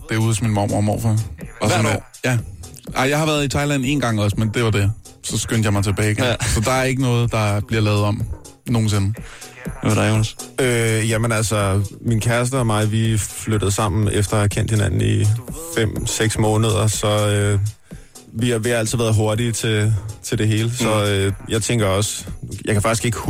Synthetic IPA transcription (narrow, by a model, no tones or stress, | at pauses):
d̥e̝æɐuːðˠsɒminmɑʊ̰mɒmɒ̰ʊ̰fɑɒsɔn | jæ | ʔɑɪjɑ̈ɪhɑ̈ʋæɐð̞̩ˠit͡sʰɑ̈ɪlæn̰e̝ːnɡ̥ɑ̈ŋ̰ɒ̽smend̥e̝ʋɑ̈d̥e̝ | sɒ̽sɡ̥ønd̥jɑmɑ̈ɪt͡sʰe̝b̥ɛːɡ̥esɒ̽d̥ɑ̈æɐe̝ɡ̥ənɔ̽ːð̩ˠd̥ɑ̈b̥liɐlɛːʊð̞̩ˠɒ̽m̰ | no̝ːn̩s̬e̝nə | ʋæɑd̥aonsøjæmenælsɒminkʰæɐs̬d̥ɐɒmɑ̈ɪʋifløɾ̥əð̩ˠsɑ̈m̰n̩efd̥ɐhækʰen̰d̥he̝næn̰n̩ifem̰seɡ̥smɔ̽ːnəð̞ˠɐsɒ̽ø | ʋiɑ̈ʋe̝æl̰t͡sʰið̩ˠʋæːɐð̩ˠɦo̝ɐɾit͡sʰe̝t͡sʰeld̥e̝ɦe̝ːləsɒ̽øjɑ̈ɪt͡sʰeŋ̰ɡ̥ɐɒ̽sjɑ̈kʰæfɑ̈ɡ̥isɡ̥e̝ɡ̥ə